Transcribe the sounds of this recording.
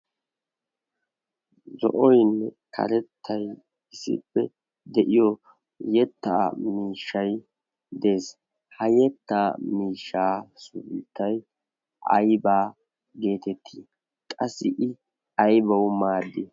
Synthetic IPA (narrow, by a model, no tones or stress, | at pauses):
zɔ̰ʔɔjnːɛkʰɐ̰ɾɛt̪ʰːɐj | ɪsɪ̰pːɛ | d̪ɛʔɪjɔ | jɛt̪ːa̰ːmiːʃːɐj | d̪e̞ːs | hɐjɛt̪ːaːmiːʃːaːsʊbɪt̪ːɐj | ʔɐ̰jbaː | ɡe̞ːt̪ɛt̪ʰːiː | kʼɐsːɪʔɪ | ɐjbɐwmaːd̪ːe